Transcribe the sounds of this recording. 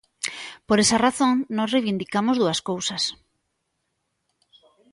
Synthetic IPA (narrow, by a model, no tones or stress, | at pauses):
poɾesɐraθoŋnɔ̃srejβind̪ikamozðuɐskowsɐs